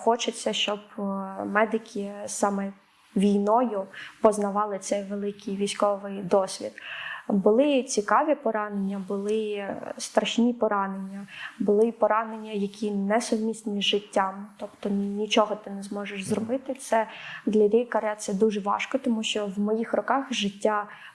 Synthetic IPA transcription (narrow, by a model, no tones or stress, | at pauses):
xɔt͡ʃɪt͡sʲːɐʃt͡ʃɔbmɛd̪ɪkʲʰisɑmɛ | ʋʲijnɔjʊpɔznɐʋɑlˠɪt̪sɛjʋelˠɪkʲɪjʋʲisʲkɔʋɪjd̪ɔsʲʋʲḭd̪bʊlˠɪt͡sʲikɑʋʲipɔɾɑnenʲːɐbʊlˠɪst̪ɾɐʃnʲipɔɾɑnenʲːɐbʊlˠɪpɔɾɑne̞nʲːɐjɐkʲinɛsʊwmʲist̪nʲizʒɪtʲːamt̪ɔpt̪ɔnʲnʲit͡ʃɔɦɔt̪ɪnɛzmɔʒeʃzrɔbɪt̪ɪt̪sɛd̪lʲɐɾʲikɐɾʲat̪sɛd̪uʒɛʋɑ̰ʃkɔt̪ɔmuʃt͡ʃɔʋmɔjixrɔkɑxʒɪtʲːa